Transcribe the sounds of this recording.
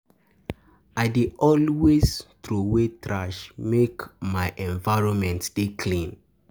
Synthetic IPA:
aɪdeɔlweztɹowetɹaʃmekmaɪʔɛ̃ɱvaɪɹɔ̃nmɛ̃ntd̥ekʰlĩn

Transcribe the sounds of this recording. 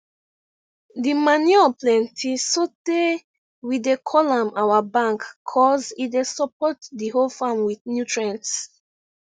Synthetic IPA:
dimaniɔplɛ̃ntʰisote | widekʰɔlãmawabãŋkʰːɔzidesɔpʰɔtdiɦolfamwiθnjutɹɛ̃nts

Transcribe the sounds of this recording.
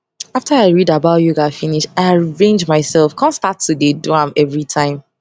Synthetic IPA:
aftaaɪɹidabaʊjuɡafĩniʃaɪaɹẽnd͡ʒmaɪsɛlˠfkʰãnstatʰːudeduãmɛvɹitʰãɪ̃m

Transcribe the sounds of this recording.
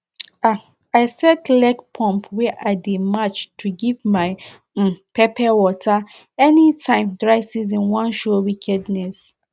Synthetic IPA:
a | aɪsɛtlɛɡpʰɔ̃mpʰwɛʔademat͡ʃtʰuɡivmaɪ | pɛpʰɛwɔtʰa | ɛnitʰãɪ̃mdɹaɪsiz̬ĩnwãnʃɔwikʰɛdnɛs

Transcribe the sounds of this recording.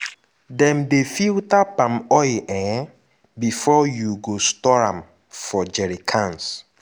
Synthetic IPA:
dɛ̃mdefiltapãmɔjʔɛ̃ | bifɔjuɡostɔɹãm | fɔd͡ʒɛɹikʰãns

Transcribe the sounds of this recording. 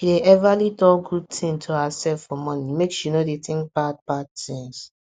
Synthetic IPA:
deʔɛvalidɔɡud̚tʰĩntʰohasɛlffɔmɔ̃nimekʃunodetɪ̃ŋk̚b̥ad̚b̥ad̚tĩŋs

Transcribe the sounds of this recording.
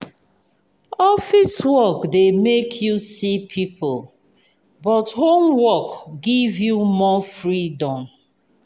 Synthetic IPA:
ɔfiswɔkdemekʰjusipʰipʰol | bɔthomwɔkɡivjumɔfɹidɔ̃m

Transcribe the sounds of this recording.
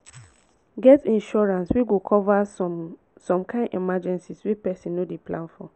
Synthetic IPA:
ɡɛtĩnʃɔɹãnswiɡokʰɔva | sɔ̃mkãɪ̃ndɛmad͡ʒɛ̃nsiswipɛsĩnːodeplãnfɔ

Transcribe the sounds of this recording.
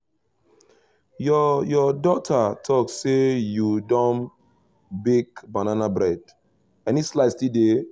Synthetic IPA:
jɔjɔdɔtʰatʰɔk̚sejudɔ̃m | bikbananabɾɛd | ɛnislaɪstide

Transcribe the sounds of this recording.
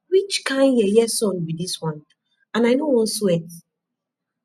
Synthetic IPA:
wit͡ʃkãɪ̃njɛjɛsɔ̃nbidiswɔ̃n | ãnaɪnowɔ̃n̩swɛt

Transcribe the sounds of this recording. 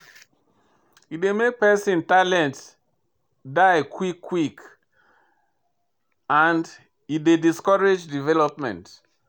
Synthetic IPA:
itdemek̚pɛsĩntalɛ̃nt | daɪkʰwikʰːwik | ãnd | idediskɔɹed͡ʒdivɛlɔpmɛ̰̃nt

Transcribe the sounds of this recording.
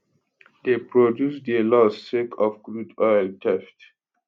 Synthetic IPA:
depɹodjusdelɔsːekʰɔfɡɹudɔjltʰɛft

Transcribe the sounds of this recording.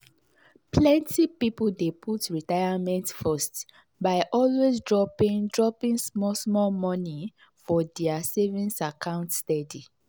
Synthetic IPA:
plɛ̃ntipipuldepʰutɹitajamɛ̃ntfɔst | baɪʔɔlwezdɹɔpĩŋdɹɔpĩŋsmɔsmɔlmɔni | fɔdɛasevĩnsakãʊ̃ntstɛdi

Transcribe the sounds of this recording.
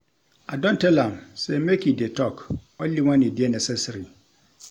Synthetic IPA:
adõntʰɛlãmsɛmekʰidetʰɔkɔliwãnɪ̃dɪɛnɛsɛsɾi

